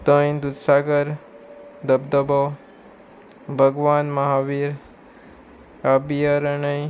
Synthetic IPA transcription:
t̪ə̃jd̪ud̪saɡəɾ | d̪əbd̪əbo | bʱəɡʋanməɦaʋiɾ | abijəɾəɳəj

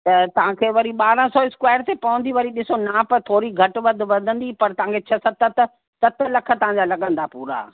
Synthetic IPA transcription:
t̪ɐt̪ɐʋ̤ãkʰeːʋɐɾiɓaːɾə̃sɔːɪskwaːɪɾt̪epɐʋə̃nd̪iʋɐɾiɗɪsonapɐt̪ʰoːɾiɡʱɐʈʋɐd̪̆ʱʋɐd̪ʱə̃nd̪ipɐɾt̪ɐʋ̤ãkʰet͡ɕʰɐsɐt̪ɐt̪ | t̪ɐt̪ʰlɐkʰə̆t̪ɐʋ̤ãɲd͡ʑalɐɠə̃nd̪apuːɾa̰ː

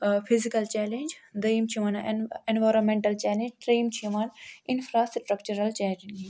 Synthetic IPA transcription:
pʰizikɐlt͡ʃɛːlẽnd͡ʒd̪ɐjmt͡ʃʰimanẽnʋaːɾonmẽɳʈɐlt͡ʃɛːlẽɲd͡ʒʈɾeːmt͡ʃʰiʋaːnɪnfʰɾaːsʈɾɐkt͡ʃuɾɐlt͡ʃɛːlẽnd͡ʒ

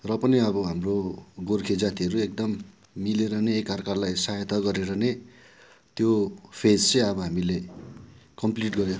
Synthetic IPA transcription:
rʌpʌniʌbʌɦamroɡorkʰed͡zat̪iɦʌɾuek̚d̪ʌmː | ileɾʌneːkʌrkarlajsajʌt̪ʰʌɡʌɾeɾʌne | t̪jopʰed͡zt͡sʌj̃ʌbʌɦamile | kʌmpliʈɡʌjo

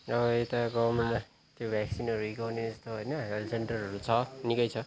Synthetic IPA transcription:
ʌbʌet̪aɡʌmen | t̪jobʱjaksinʌɾuikʌwneest̪oɦojnʌɦelseɳʈʌrʌɾut͡sʰʌnikʌjt͡sʰʌ

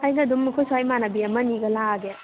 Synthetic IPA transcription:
ajɡɐdumːukʰosuajmanabiɐmɐniɡɐlaɡe

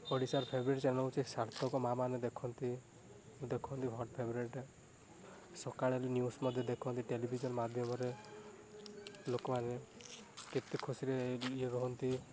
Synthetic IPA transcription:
ɔɽisaɾpʰebɾueʈsenɔɦut͡ʃʰisaɾt̪ʰɔkɔmamaned̪ekʰɔnt̪i | d̪ekʰɔnt̪iɦɔɾʈpʰebɾeʈ | sɔkaɭelnjusmɔd̪ʱjɔd̪ekʰɔnt̪iʈelibʱid͡ʒɔnmad̪ʱjɔmɔɾe | lokɔmane | ket̪ikʰusiɾeeɾɔɦɔnt̪i

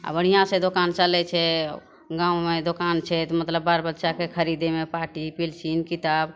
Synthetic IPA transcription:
a̰bəɽ̤ijãsẽd̪okant͡ʃalɛt͡ʃʰɛ | ɡãːũmed̪okant͡ʃʰɛt̪ɔmət̪ləbːaɾbətːʃakekʰəɾid̪emepaʈipilsinkit̪aːb

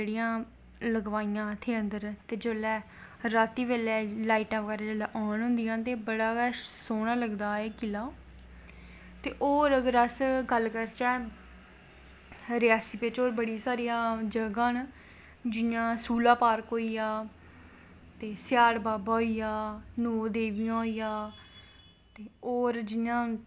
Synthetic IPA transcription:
d͡ʒeːɽijãː | ləɡʋaːijãːt̪ʰeːənd̪əɾt̪eːd͡ʒəːlɛː | ɾaːt̪iːʋeːlɛːlaːiːʈãːʋəkəɾeːd͡ʒəːlɛːʔɔːnɦʊ̃nd̪ijãːt̪eːbəɽaːɡɛsoːɽ̃ãːləɡd̪aːeːkɪlaː | t̪eːʔoːɾəɡəɾəsɡəlkəɾt͡ʃɛː | ɾɪjaːsipɪt͡ʃoːɾbəɽiːsaːɾijãːd͡ʒəɡãːn | d͡ʒɪjãːsuːlaːpaːɾkɦoːijaː | t̪eːsɪjaːɽbaːbaːɦoijaːnoːd̪eːʋijãːɦoiːjaː | t̪eːoːɾd͡ʒɪjãː

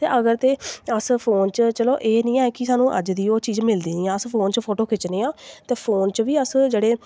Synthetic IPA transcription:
t̪ḛːʔəɡəɾt̪eːəspʰoːnt͡ʃət͡ʃəloːʔeːnĩːɛ̃ːkɪsaːnũːʔə̰d͡ʒd̪iːoːt͡ʃiːd͡ʒmɪld̪iːnĩːãːəspʰoːnt͡ʃpʰoːʈoːkʰɪt͡ʃneːãːt̪eːpʰoːnt͡ʃʋiːəsd͡ʒeːɽeː

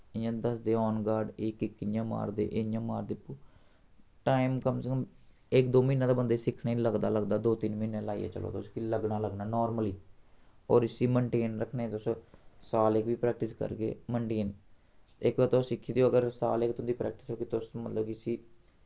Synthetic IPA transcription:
ɪjãːd̪əsd̪eːɔːnɡaːɖɪkɪkːjãːma̰ːɾd̪ḛːʔeɪjãːmaːɾd̪eːpː | ʈaːimkəmsekəm | ɪkd̪oːmĩːnːãːd̪aːbənd̪eːsɪkʰneːləɡd̪aːləɡd̪aːd̪oːt̪ɪnmiːnːẽːlaːḭjḛːt͡ʃə̰lo̰ːt̪ʊskiləɡnaːləɡnaːnɔːɾməliː | ɔːɾɪsiːməɳʈeːnɾəkʰnẽːt̪ʊsosaːlekʋiːpɾɛːk̚ʈɪskə̰ɾɡḛːməɳʈeːn | ɪkbat̪õːsɪkʰːiːd̪eoːəɡəɾsa̰ːlekt̪ʊnd̪iːpɾɛ̰ːk̚ʈɪ̥soːkit̪ʊsmət̪ləbkɪsiː

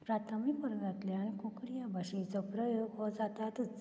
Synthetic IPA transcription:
pɾat̪ʰamipəɾnat̪leaɽ̃ikukɽijabʱaɕet͡sɔpɾəjoɡɦɔd͡zat̪at̪ut͡s

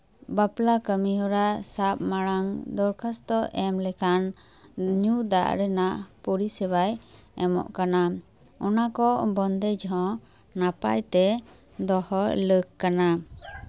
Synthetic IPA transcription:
baplakəmiɦɔɾaʔsap̚maɽaŋd̪ɔɾkʰast̪ɔɛmlɛkan | ɲud̪a̰ʔɾɛnaʔpuɾisɛbajɛmɔ̰ʔkana | ɔnakɔʔbɔnd̪ɛd͡ʒɦɔ̃ | napa̰jt̪ɛ | d̪ɔhɔləkkana

